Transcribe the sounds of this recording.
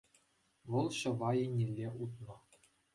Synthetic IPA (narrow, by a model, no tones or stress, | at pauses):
ʋɤ̆lˠɕɤ̆ʋɑjenʲelʲːeʔut̪nɤ̆